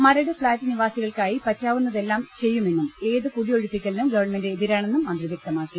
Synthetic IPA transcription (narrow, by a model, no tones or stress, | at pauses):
mɐɾɐɽɨfɭaːtːɨniʋaːsiɣɐɭkaːjipɐtːaːʋunːɐðe̞lːaːmt͡ɕe̞jːume̞nːume̞ːðɨkuɽijo̞ɻupːikʲːɐlnumɡɐʋɐrɳmendeːðiɾaːɳenːumɐnd̪riʋjek̚t̪ɐmaːkːi